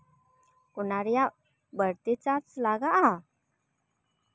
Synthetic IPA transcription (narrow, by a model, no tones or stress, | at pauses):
kunaɾja | bəɾt̪it͡sat͡slaɡaa